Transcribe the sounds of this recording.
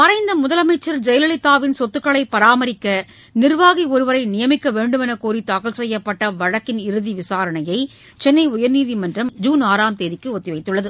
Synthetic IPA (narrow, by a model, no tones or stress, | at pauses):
mɐɾɐɪnd̪ɐmʊðɐlɐmɐɪt͡ʃːɐɾd͡ʒɛjlɐɭɪt̪ːaːʋɪnsɔt̪ːɯkːɐɭɐɪpːɐɾaːmɐɾɪkːɐ | nɪrʋaːɣiɔɾɯʋɐɾɐɪnɪjɐmɪkːɐʋeːɳɖɯmɛnɐkːoːɾit̪aːkɐlsɛjːɐpːɐʈːɐʋɐɻɐkːɪnɪɾɯðiʋɪsaːɾɐnɐjɐɪ | t͡ʃɛnːɐɪʊjɐɾniːðimɐndrɐmd͡ʒuːnaːɾaːmt̪eːðɪkːɯɔt̪ːɪʋɐɪt̪ːɯɭːɐðɯ